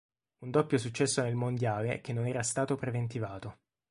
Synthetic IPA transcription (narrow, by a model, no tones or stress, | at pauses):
und̪opːjosut͡ʃːɛsːonelmond̪jaːlek̟enːonɛːɾast̪aːt̪opɾevent̪ivaːt̪o